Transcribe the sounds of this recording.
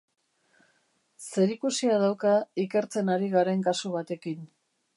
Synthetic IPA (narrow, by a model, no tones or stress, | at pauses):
se̞ɾikusiað̞awkaike̞ɾt͡se̞naɾiɣaɾe̞ŋkasuβ̞at̪e̞kin